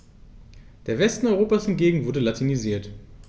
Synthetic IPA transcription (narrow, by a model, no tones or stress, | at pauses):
d̥eːɐvɛstn̩ɔʁoːpashɪntɡeːɡŋ̩vʊɐdəlatʰiniziːɐt